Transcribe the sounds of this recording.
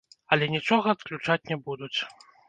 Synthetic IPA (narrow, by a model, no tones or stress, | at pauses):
ɐlʲɛnʲit͡ʂɔɣɐːt̪klʲut͡ʂat͡sʲnʲɛbud̪ut͡sʲ